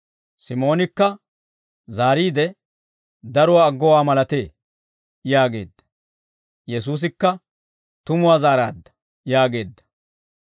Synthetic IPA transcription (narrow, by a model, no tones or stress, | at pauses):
sɪmo̞ːnɪkːɐ | zaːɾiːd̪ɛ | d̪ɐɾʊwaːɡːɔwaːmɐlɐt̪e̞ː | jaːɡe̞̰ːd̪ːɐ̥ | jɛs̬uːs̬ɪkːɐ | t̪ʊmʊwaːzaːɾaːd̪ːɐ̥ | jaːɡe̞ːd̪ːɐ̥